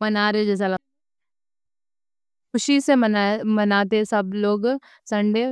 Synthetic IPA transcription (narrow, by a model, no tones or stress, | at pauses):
mɐnaːɾed͡ʒɛːs̬alɐ | kʰʊʃisemɐnaːt̪̬eɦɛ̃sɐbloːɡ | sɐ̃ɳɖe